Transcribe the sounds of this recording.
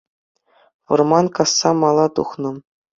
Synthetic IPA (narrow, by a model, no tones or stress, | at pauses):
ʋɤ̆rmɑnkɑsːɑmɑlˠɑt̪ṵχnɤ̆